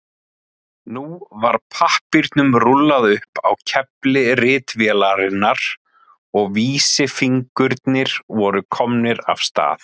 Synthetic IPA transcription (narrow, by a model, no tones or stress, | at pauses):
nuvaɾ̥pʰahpiɾt̪nʏmrulːaðʏhpa̰wcʰɛplɪrɪːt̪vjɛlaɾɪnːaɾ̥ | ɔɣviːsɪfiŋkʏɾt̪nɪɾ̥vɔɾʏkʰɔmnɪɾa̰fst̪a̰ːθ